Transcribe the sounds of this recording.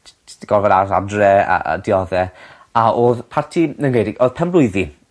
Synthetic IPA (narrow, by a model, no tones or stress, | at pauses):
ɡ̥ɔvɛɾaa̰drɛa̰ə̰diɔðɛ | aʔoːðpʰartʰinənɡejdɪɡoːðpʰɛmblˠʊɨði